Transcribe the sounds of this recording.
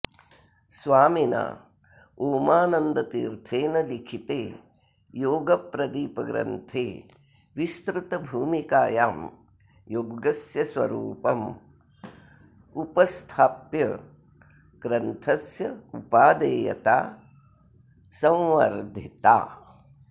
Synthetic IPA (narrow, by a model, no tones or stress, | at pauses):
sʋaːmina̰ | oːmaːnɐnd̪ɐt̪iːɾt̪ʰeːnɐlikʰit̪eː | joːɡɐpɾɐd̪iːpɐɡɾɐ̰nt̪ʰeː | ʋist̪ɾut̪ɐbʱuːmikaːjaːm | joɡɡɐsjɐsʋɐ̰ɾṵːpɐm | upɐst̪ʰaːpjɐ | ɡ̥ɾɐnt̪ʰɐsjɐupaːd̪eːjɐ̰t̪a̰ː | sɐ̃wʋɐ̰ɾd̪ʱit̪a̰ː